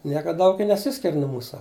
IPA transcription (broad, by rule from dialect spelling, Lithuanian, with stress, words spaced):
ˈnʲiɛkɐ ˈdɐʊk ɪ nʲɛˈsʲɪsʲkʲɪrʲ nʊ ˈmuːsɐ